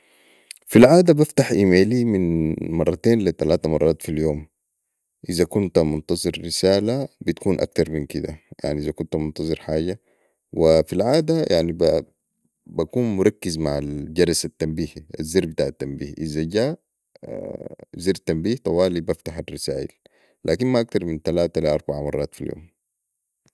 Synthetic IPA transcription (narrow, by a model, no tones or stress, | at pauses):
filʕaːd̪abaft̪aħʔimeːliminmɑrˤːɑt̪eːnlit̪alaːt̪amɑrˤːɑːt̪filjoːm | ʔizakunt̪mʊnt̪ɑzˤɨɾːisaːlabit̪kuːnʔa̰k̚t̪ɑɾˤminkid̪aja̰ʕniʔizakunt̪mʊnt̪ɑzˤɨɾħaːɟa | wifilʕaːd̪ajʔaʕniba | bakuːnmʊɾˤɑkːizmaʕald͡ʒɑɾˤɑsat̪ːambiːhia̰zːiɾbit̪aʕat̪ːambiːhʔizaɟa̰ː | zeːɾt̪ːambiːht̪ˤɑwaːlibaft̪aħarːisaːʔḭl | lʔaːkinmaʔak̚t̪ɑɾˤmint̪alaːt̪aliʔɑɾˤbaʕamɑrˤːɑːt̪filjo̰ːm